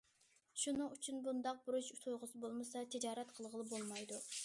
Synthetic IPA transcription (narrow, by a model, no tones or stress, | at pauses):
ʃunɨŋyt͡ʃʰynbund̪ɑq̚buɾuʃut̪ʰujʁʊsɨbolˠmɨsɑt̪ʰɪd͡ʒɑːɾɛt̪qʰəlˠʁəlˠɨbolˠmɑjd̪u